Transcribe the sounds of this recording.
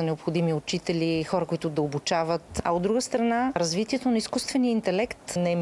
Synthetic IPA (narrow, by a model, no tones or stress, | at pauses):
ɐnɛopxʊd̪imiʊt͡ʃit̪ɛlʲixɔɾɐkoit̪ʊd̪ɐobut͡ʃavət̪ɐ̰od̪d̪ɾuɡəst̪ɾɐnaɾɐzvit̪iɛt̪onɐiskust̪vɛniəint̪ɛlɛkt̪nɛ